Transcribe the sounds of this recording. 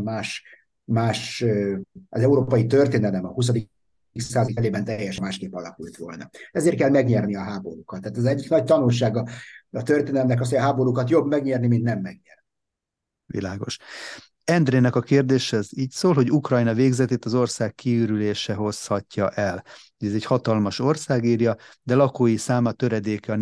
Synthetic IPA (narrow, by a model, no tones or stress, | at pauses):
maːʃ | maːʃ | ʔɒzɛuɾoːpɒjit̪ørt̪eːnɛlɛmɒhus̬ɒd̪i | ksaːzɒikɛleːbɛnt̪ɛjːɛʃɛmaːʃkeːpːɒlɒ̰kult̪ʋo̞̰lnɒ̰ɛzeːrt̪kɛlmɛɡɲɛrniɒɦaːbo̞ɾukɒt̪ːaːt̪ɛzɛɟːiknɒc̚t̪ɒnulʃaːɡɒɒt̪ørt̪eːnlɛmnɛk̬ɒs̬hoɟɒɦaːbo̞ɾukɒt̪jo̞bmɛɡɲɛrnimint̪nɛmːɛɡɲɛrni | ʋḭlaːɡo̞̰ʃ | ɛnd̪reːnɛkɒkeːrd̪eːʃɛziːcsoːlɦo̞ɟukrɒjnɒveːɡzɛt̪eːt̪ɒzo̞rsaːkːiyːɾyleːʃɛɦo̞shɒcːɒʔɛlhoɟɛzɛchɒt̪ɒlmɒʃo̞rsaːɡiːrjɒd̪ɛlɒkoːjisaːmɒt̪ø̞ɾɛd̪eːkɛɒ